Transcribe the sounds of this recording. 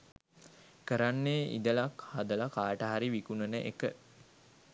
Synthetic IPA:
kəɾanːeːʔḭd̪əlakhad̪əlakaːʈaɦaɾiʋikunənəʔḛkə

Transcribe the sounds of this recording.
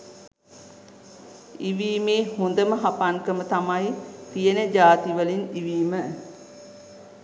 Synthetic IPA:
iʋiːmeːhund̪əməɦapaŋkəmət̪amajt̪ijənəd͡ʒaːt̪iʋəliniʋiːmə

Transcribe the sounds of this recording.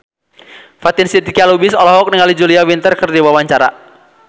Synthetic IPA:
fat̪insit̪ikialubisɔlɔɦɔk̚niŋalid͡ʒuliawint̪ərkɨrdiwawaɲt͡ʃaɾa̰

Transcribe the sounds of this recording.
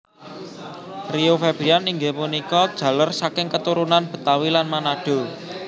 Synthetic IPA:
riofeb̥ɾianiŋɡemunikɔd̥ʒ̥ä̤lərsakɪŋkət̪uɾunanb̥ə̤t̪awilanmanaɖ̥o̤

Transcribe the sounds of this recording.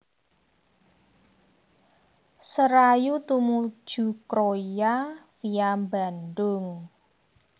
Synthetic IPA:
səɾajut̪umu̥ʒ̥ṳkɾojafijambandʊŋ

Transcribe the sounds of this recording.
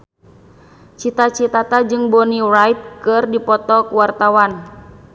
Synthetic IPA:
t͡ʃit̪at͡ʃit̪at̪ad͡ʒɨŋbɔnirajt̪̚kɨrdipɔt̪ɔkuwart̪awan

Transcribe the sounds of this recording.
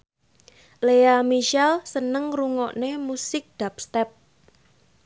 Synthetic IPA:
leamiʃɛlsənəŋruŋɔʔnemusɪk̚d̪̥ap̚st̪ɛp̚

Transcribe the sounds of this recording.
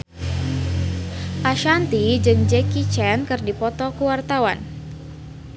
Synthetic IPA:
ʔaʃant̪id͡ʒɨŋd͡ʒɛkit͡ʃɛnkɨrdipɔt̪ɔkuwart̪awan

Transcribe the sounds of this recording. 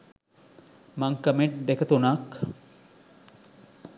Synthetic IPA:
maŋkəmeʈ̚d̪ekət̪unak

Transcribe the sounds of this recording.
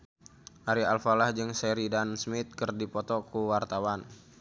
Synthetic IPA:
ʔaɾialfalahd͡ʒɨŋsɛɾidansmit̪̚kərdipɔt̪ɔkuwart̪awan

